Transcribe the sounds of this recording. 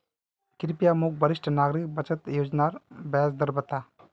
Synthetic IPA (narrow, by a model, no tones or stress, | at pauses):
kiɾipijamuk̚bəɾiʃʈʰənaɡɾik̚bət͡ʃət̪jod͡ʒnaɾbɛjazd̪əɾbət̪a